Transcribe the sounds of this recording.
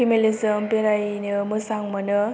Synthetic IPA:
imelizəmbeɾajnɯmɯsaŋmɐnɯ

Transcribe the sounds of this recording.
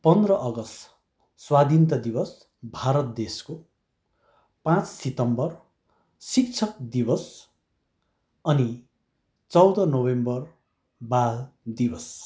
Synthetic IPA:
pʌnd̪rʌʔʌɡʌst̪ | swad̪int̪ʌd̪ibʌs | bʱaɾʌt̪̚d̪esko | pãt͡ssit̪ʌmbʌr | sik̚t͡sʰʌk̚d̪ibʌs | ʌni | t͡sʌwd̪ʌnowembʌr | bald̪ibʌs

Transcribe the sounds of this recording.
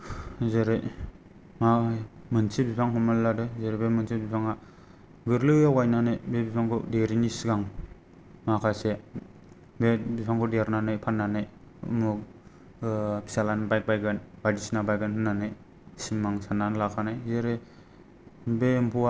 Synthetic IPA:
zeɾɯj | mamɯnsʰibipʰaŋɦɔmalladɯzeɾebemɯnsʰibipʰaŋa | ɡɯɾlɯjawajnanɯjbebipʰaŋkʰɯ̰deɾinisɡaŋ | makʰase | bebipʰaŋkʰɔdeaɾnanɯjpʰanːanɯj | mu | pʰi̥salanbajk̚bajɡɯnbadisnabajɡɯnɦɯnːanɯj | siŋmaŋsananlakʰanajzeɾe | bempʰua

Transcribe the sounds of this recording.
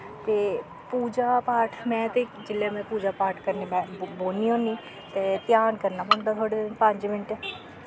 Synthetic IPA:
t̪eː | puːd͡ʒapaːɾʈʰmɛ̃ːt̪ed͡ʒɪlːemɛ̃puːd͡ʒaːpaːɾʈʰkəɾnimɛ̃boːniõːnĩ | t̪et̪jaːnkəɾnaboːnd̪at̪ʰoːɽepə̃ɲt͡ʃmɪnʈɛ

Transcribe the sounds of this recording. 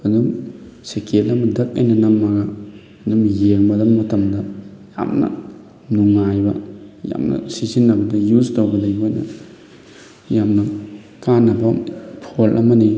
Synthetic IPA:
hɐdumsekʰelɐmɐdɐk̚ɐ̰jnɐnɐmːaɡɐ | hɐdumjeŋmɐdɐmːɐtɐmdɐja̰mnɐ̰ | nuŋːajbɐ̰ja̰mnɐ̰sisinːɐbɐdɐjuztowbɐdɐjbojnɐ̰ | jamnɐ | kanːɐbɐpʰolʔɐ̰mɐni

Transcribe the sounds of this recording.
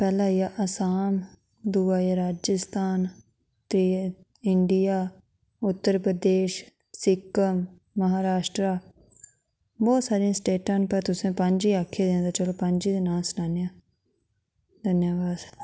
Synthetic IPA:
pɛːlãːɪjaːʔəsaːm | d̪uaːɾaːd͡ʒəst̪aːn | t̪ɾiː | ɪɳɖɪjaː | ʊt̪ːəɾpɾəd̪eːʃ | sɪkːəmː | əɦaːɾaːʃʈɾaː | bɔːt̪saːɾiãːsʈeːʈãːnpəɾt̪ʊsẽːpəɲd͡ʒiːaːkʰːed̪eãd̪aːt͡ʃəloːpəɲd͡ʒiːd̪enaːlsnaːnejãː | d̪ʱənjaːʋaːd̪

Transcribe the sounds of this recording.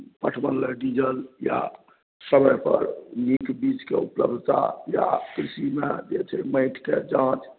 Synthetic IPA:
pəʈʰbənləɖid͡ʒəlja̰ | səməjpə̰ɾnikbit͡ʃkḛṵpləbd̪ʱt̪a̰ja̰kɾisimed͡ʒet͡ʃʰɛməɪʈʰked͡ʒãt͡ʃ

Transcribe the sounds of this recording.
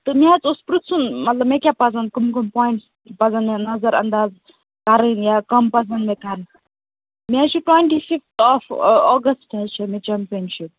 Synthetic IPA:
t̪ɨmʲat͡suspɾut̪sunmɐt̪lɐbmẽkʲjapɐd͡zɐnkumkumpɔːjɳʈs | pɐd͡zɐnmenɐzɐɾɐ̰nd̪aːz | kɐɾɨnjakɐmpɐd͡zɐnmek̪ɐɾn | mãt͡ʃʰiʈweɳʈifift̪ʰɔfɔːɡɐsʈɐzt͡ʃʰimet͡ʃampijənʃip̚

